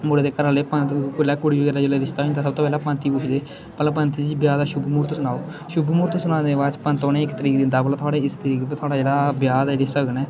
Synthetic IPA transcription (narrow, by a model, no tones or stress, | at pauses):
moːɽeːd̪eːkəɾəːleːpət̪kʊlɛːkʊɽiːiəɾaːd͡ʒeleːd̪ɪʃt̪aːĩnd̪aːsəbt̪oːpɛːlaːpənt̪iːpʊt͡ʃʰd̪eː | pəlapənt̪id͡ʒiːbjaːd̪aːʃʊbmuːɾt̪sʊnaːoː | ʃʊbmuːɾt̪sʊnaːd̪eːʋaːt͡ʃpənt̪oːnẽːɪkt̪əɾiːkd̪ɪ̃nd̪aːblaːt̪ʰoaːɽeːɪst̪əɾiːkːpːt̪ʰaːɽaːd͡ʒeːɽaːbjaːd̪ad͡ʒeːɽeːsəɡnɛː